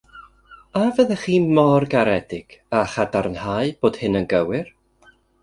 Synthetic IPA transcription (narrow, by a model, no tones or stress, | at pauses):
avəðəχiːmɔrɡaɾɛdɪɡ̥aχadarnhaɨb̥oːd̥hɨnənɡəwɪr